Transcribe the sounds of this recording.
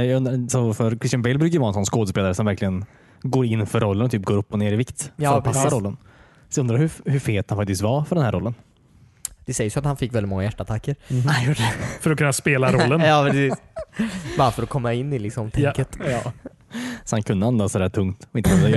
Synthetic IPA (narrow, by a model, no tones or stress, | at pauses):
jaɡɵnd̪ɾasɔfœɾkʰɾɪst̪janbɛlbɾʉkajʏvɑːɾɛnsɔnskoːd̪əspeːlaɾəsɔmvæɾklɪɡən | ɡoːɾɪnːfœɾːɔlːənɔt̪ʰyːp̚ɡoːɾɵpːɔneːɾɪvɪkt̪ɔpʰasːaɾɔlːən | sɵnd̪ɾahɵhɵfeːt̪hanfak̚t̪ɪst̪vafœɖɛnhæːɾɔlːən | d̪̥ɛsɛjːəsat̪hanfɪkːvɛlɪt̪mɔŋːajæʈːaat̪ʰakːəɾjuːɖəɛfœɾɔkʰɵnːaspeːlaɾɔlːənjɑːpɾɛsiːs | bɑɾafœɾɔkʰɔmːaɪnːɪlɪksɔmt̪ʰɛkːət̪ː | sɔhankʰɵnd̪əand̪asɔd̪æːʈʰɵŋkt̪ɔɪnəɛnd̪ɾa